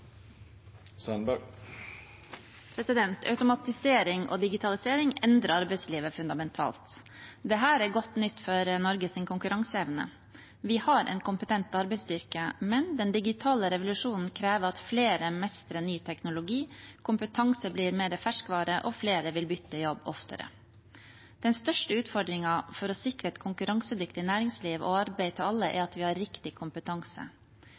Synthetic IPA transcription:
sœnbæɡ | pʰɾɛsɪd̪ɛnt̪ʰɑ̰ʉt̪ʊmɑt̪ɪseːɾɪŋʔo̰ːd̪ɪɡɪt̪ʰɑlɪseːɾɪŋɛnd̪ɾəɾɑɾbɛɪsliːʋəfʉnd̪ɑmɛnt̪ʰɑ̰ːlt̪ | d̪ɛɦæːɾæɾɡɔt̪ːnʏt̪ːfɔɾnɔɾɡəsɪnkʰʊŋkʉɾɑŋsəɛʋnə̰ | ʋɪhɑɾʔɛ̰nkʰʊmpət̪ʰɛnt̪ɑɾbɛɪst̪ʏɾkəmɛnd̪ɛnd̪ɪɡɪt̪ʰɑːləɾɛʋʊlʉʂuːnn̩kʰɾeːʋəɾɑt̪fleːɾəmɛst̪ɾənyːt̪ʰɛknʊlʊɡiːkʰʊmpət̪ʰɑŋsəbliːɾmeːɾəfæʂkʋɑːɾəʔɔfleːɾəʋɪlbʏt̪ːəjɔbːɔ̰ft̪ə̰ɾə̰ | d̪̥ɛnst̪œʂʈəʉːt̪fɔɖ̪ɾɪŋɑfɔɾɔsɪkɾəɛt̪kʰʊŋkʉɾɑŋsəd̪ʏkt̪ɪnæːɾɪŋsliːʋo̰ɑɾbæɪt̪ʰɪɑlːəʔæ̰ɾɑt̪ʋɪhɑɾːɪkt̪ɪkʰʊmpət̪ʰɑŋsə̰

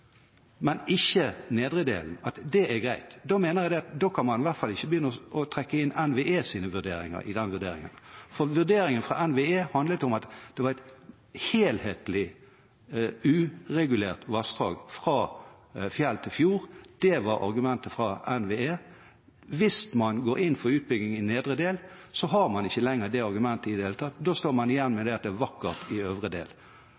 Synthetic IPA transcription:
mɛnɪçːəneːd̪ʁəd̪ḛːln̩ɑt̪d̪ɛæɾɡʁæɪt̪d̪oːmeːnəjæd̪ɛɑt̪d̪oːkʰɑnmɑnɪʋæʁt̪fɑlːɪçːəbəjʏnːəɔɔt̪ʰʁɛkːəɪnɛnʋeeːsiːnəʋʉd̪ḛːɾɪ̰ŋə̰ɾɪ̰d̪ɛnːəʋʉd̪ḛːɾɪ̰ŋə̰nfɔʁʋʉʁd̪eːɾɪŋənfʁɑ̰ʔɛnʋeeːhɑnd̪lət̪ɔmɑt̪d̪̥ɛʋɑʁæɛt̪ | heːlheːt̪lɪ | ʉːʁɛɡʉleːʁt̪ʋɑst̪ʁɑːɡfʁɑː | fjɛlt̪ʰɪlfjuːʁd̪̥ɛʋɑɾɑ̰ɾɡʉmɛnt̪əfʁɑʔɛnʋeeː | ʋɪsmɑnɡoːɾɪnːfɔɾʉːt̪̚bʏɡnɪŋɪneːd̪ʁəd̪eːl | sɔɦɑɾmɑnɪçːəlɛŋːəʁd̪ɛɑɾɡʉmɛnt̪əɪd̪eːlt̪ʰɑt̪d̪oːst̪oːɾmɑnɪjɛnːmɛd̪ɛɑt̪̚d̪ɛæːʋɑkːəʁt̪ʰɪøːʋʁəd̪ḛːl

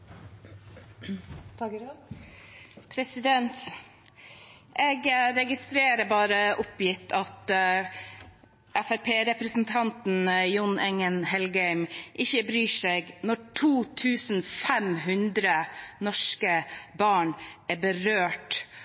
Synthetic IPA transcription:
pʰɾɛsɪd̪ɛnt̪ | ʔɛːɡɾɛɡɪst̪ɾeːɾəbɑːɾəʔʊpjɪt̪ʰːɑt̪ | ʔæfæɾpʰeːɾɛpɾəsn̩t̪ʰɑnt̪n̩jʊnɛŋənhɛlɡɛʏmʔɪçəbɾyːʂeːɡnɔʈʰuːt̪ʰʉːsn̩fɛmɦʉnd̪ɾənɔʂkəbɑːɳʔæɾbəɾøːʈ

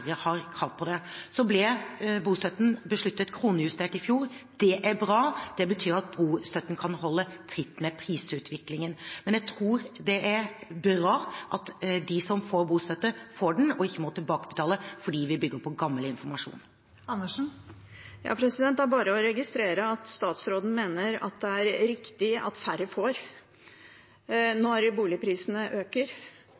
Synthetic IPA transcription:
ɾəhɑɾkʰɑlt̪̚pʰɔd̪ɛsɔblɪɾbuːst̪œt̪ːnbəʂɭʉt̪ːət̪kʰɾuːnəjʉst̪eːʈɪfjuːɾd̪̥ɛʔæɾbɾɑːd̪̥ɛbət̪ʰyːɾɑt̪̚buːst̪œt̪ːən̩kʰɑnhɔlːət̪ʰɾɪt̪ːmɛpʰɾiːsʉːt̪ʰʋɪklɪŋənmɛnjæɪt̪ʰɾuːɾd̪ɛʔæɾbɾɑːʔɑt̪d̪ɪsɔmfoːɾbuːst̪œt̪ːəfoːɖɛn̩ɔɪkːəmɔt̪ʰɪlbɑːkəbət̪ʰɑːləfɔɖiːʋɪbʏɡəɾpʰɔɡɑmːəlɪnfɔɾmɑʂṵːn | ɑnːəʂn̩ | jɑ̰ːpʰɾɛsɪd̪ɛnt̪dæɾbɑːɾəɔɾɛɡɪst̪ɾeːɾəɑt̪st̪ɑːt̪sɾoːd̪n̩meːnəɾɑ̰t̪̚d̪ɛæɾɾɪkt̪ɪɑ̰t̪fæɾəfoːɾ | nɔɾbuːlɪpʰɾiːsnəʔøːkəɾ

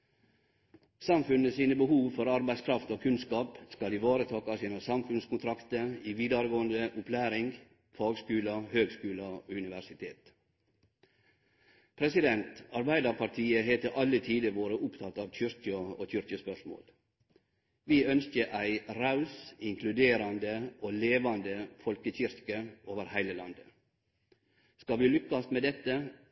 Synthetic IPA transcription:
sɑmfʉnəsiːnəbəhuːʋfɔɾɑɾbæɪskʰɾɑft̪oːkʰʉnskɑːpskɑlɪʋɑːɾət̪ʰɑːkɑsiːnəsɑmfʉnskʰʊnt̪ʰɾɑkt̪əiːʋiːd̪ɑɾɡoːənd̪əʔʊpʰlæːɾɪŋɡ | fɑːɡskʉːlɑhøːɡskʉːlɑoːʉnɪʋæʂɪt̪ʰeːt̪ | pʰɾɛsɪd̪ɛnt̪ɑɾbæɪd̪ɑɾpʰɑʈʰiːəheːt̪əʔɑlːət̪ʰiːd̪əʋoːɾəʔʊpt̪ʰɑt̪ɑːʋc͡çʏɾkəo̰ːçʏɾkəspœʂmo̰ːl | ʋiːœnskəʔæɪɾɑʉsɪŋkʰlʉd̪eːɾɑnd̪əʔoːleːʋɑnd̪əfɔlkəçʏɾkəʔoːʋəɾhæɪləlɑnd̪ə | skɑʋiːlʏkːɑsmeːd̪ɛt̪ːə

